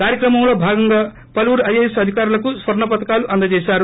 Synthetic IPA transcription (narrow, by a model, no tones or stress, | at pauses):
kaɾjekrʌmaw̃lʌbʱaɡʌŋɡʌ | pʌluɾʌjesʌd̪ʱikaɾlakuswʌrnʌpʌt̪kaluʔɐnd̪ʌd͡ʒesaɾu